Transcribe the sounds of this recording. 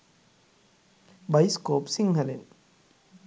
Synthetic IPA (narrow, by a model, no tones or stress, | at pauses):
bɐjskoːpsiŋɡɐlḛn